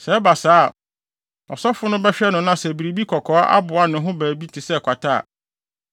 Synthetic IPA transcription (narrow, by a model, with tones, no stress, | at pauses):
sɛ˨ɛ˦ba˨saː˦˨ | ɔ̰˨sɔ˦fʊ˦nʊ̃˦bɛ˦ɕᶣɛ˦nʊ̃˨nã˦˨sɛ˨bi˨ɾi˨bi˦kʰɔ˨kʰɔ˨˦a˦ʔa̰˦bʊ˨a˨nʊ̃˨ɦʊ̃˦bæː˨bi˦tʰɪ˨sɛ˦˨kʷʰa˨tʰa˦a̰˨